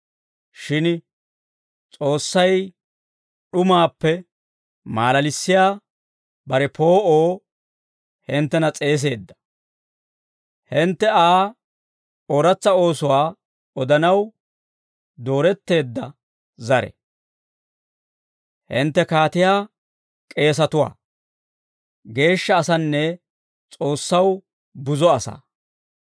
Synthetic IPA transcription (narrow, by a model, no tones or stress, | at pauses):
ʃɪn | t͡sʼo̞ːsːɐj | ɗʊmaːpːɛ | maːlɐlɪsːɪjaː | bɐɾɛpʰo̞ːoː | hɪnt̪ːɛnɐt͡sʼe̞ːs̬e̞ːd̪ːɐ̥ | hɪnt̪ːɛaː | oːɾɐt͡sːɐo̞ːsʊwaː | ɔd̪ɐnɐw | d̪o̞ːɾɛt̪ːe̞ːd̪ːɐ | zɐɾɛ̰ | hɪnt̪ːɛkaːt̪ɪjaː | kʼe̞ːs̬ɐt̪ʊwa̰ː | ɡe̞ːʃːɐːsɐnːɛ | t͡sʼo̞ːsːɐw | bʊzɔɐsa̰ː